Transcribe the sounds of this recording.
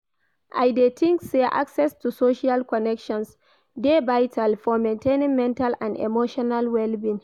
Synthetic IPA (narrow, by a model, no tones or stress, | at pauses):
ʔajdetʰɪ̃ŋkseʔa̰ksɛstusoːʃialkɔnɛkʃɔ̃ns | debajtʰalfɔmɛ̃ntenɪmmːɛntalʔãndɛ̰moːʃɔnalwɛlbin